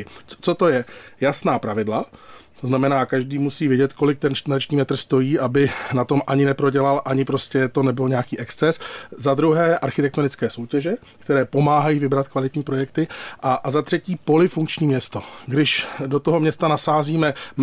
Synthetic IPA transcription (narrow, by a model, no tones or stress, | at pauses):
t͡so̞t̪o̞jɛjasnaːpɾavɪdlat̪oznamɛnaːkaʒdiːmusiːvjɛɟɛt̪ko̞lɪk̚t̪ɛnt͡ʃnɾat͡ʃɲiːmɛt̪r̩st̪o̞jiːʔabɪnat̪o̞mʔaɲɪnɛpɾo̞ɟɛlalʔaɲɪpɾo̞scɛt̪o̞nɛbɪlɲɛakiːʔɛkst͡sɛszad̪ɾuɦɛːʔaɾxɪt̪ɛkt̪o̞nɪt͡skɛːso̞wcɛʒɛ | kt̪ɛɾɛːpo̞maːɦajiːvɪbɾat̪kvalɪt̪ɲiːpɾo̞jɛkt̪ɪʔazat̪r̝̥ɛciːpo̞lɪfuŋkt͡ʃɲiːmɲɛst̪o̞ɡdɪʃdo̞t̪oɦo̞mɲɛst̪anasaːziːmɛ